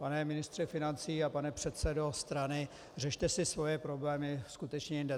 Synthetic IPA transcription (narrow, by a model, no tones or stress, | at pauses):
panɛmɪnɪst̪r̥ɛfɪnant͡siːapanɛpr̝̥ɛt̪sɛdo̞st̪ɾanɪ | rɛʃt̪ɛsɪsvo̞jɛpɾo̞blɛːmɪskut̪ɛt͡ʃɲɛjɪndɛ